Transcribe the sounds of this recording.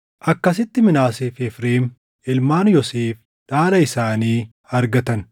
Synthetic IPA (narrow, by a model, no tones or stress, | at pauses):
ʔɐkːɐs̬ɪt̪ːɪmɪnaːsefɛfɾeːm | ʔɪlmaːnjɔseːf | ᶑaːlɐɪsaːniː | ɐɾɡɐt̪ɐn